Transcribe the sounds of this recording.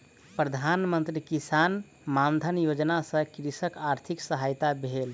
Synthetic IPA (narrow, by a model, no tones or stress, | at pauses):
pɾəd̪ʱanmənt̪ɾikisan | mand̪ʱənjod͡ʒnasə̃kɾisəkaɾt̪ʰiksəɦajt̪abʱel